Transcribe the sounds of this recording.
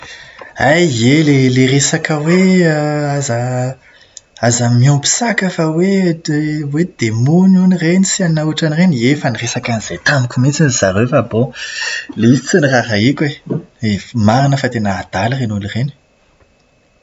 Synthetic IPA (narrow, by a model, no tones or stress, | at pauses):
ajeleleresakəwe | aza | azamiɔmbi̥sakəfəwe | wed̪̥emununirenisiannauʈ͡ʂanireniefəniresakaniz̥et̪amikʲumit͡siniz̥aɾefabõ | leizit͡siniraɾaikʲweemaɾinəfat̪enaːd̪̥alrenulireni̥